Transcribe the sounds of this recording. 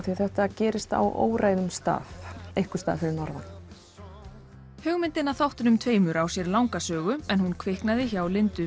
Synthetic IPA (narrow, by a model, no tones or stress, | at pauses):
θiθɛht̪acɛːɾɪst̪a̰wʔo̰ːwɾaːjðʏmst̪a̰ːfejhkʏ̥st̪a̰ːðfɪɾɪɾnɔɾvan | hʏɣmɪnt̪ɪnːaθawht̪ʏnʏmt̪ʰveːjmʏɾawsjɛɾlawŋkasœːɣʏɛnhunkʰvɪhknaðɪçawlɪnt̪ʏ